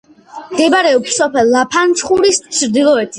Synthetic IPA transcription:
mɡɛbaɾɛɔpssɔpʰɛlːapʰant͡ʃʰχuɾist͡ʃʰɾd̪ilˠɔɛt̪ʰi

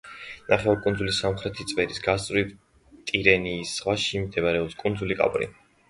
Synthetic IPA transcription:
naχɛvaɾkʼund̪zulisamχɾɛt̪ʰit̪sʼvɛɾisɡast̪sʼvɾiv | t̪ʼiɾɛniːsːʁwaʃimd̪ɛvaɾɛɔpskʼund̪zulikʼa̰pʼɾḭ

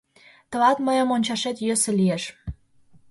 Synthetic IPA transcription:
t̪ə̆lɑt̪məjəmonʲt͡ɕɑʃet̪jøsĕlieʃ

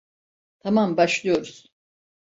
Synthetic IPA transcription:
t̪ʰamambaʃlˠɯjo̞ɾuz̥

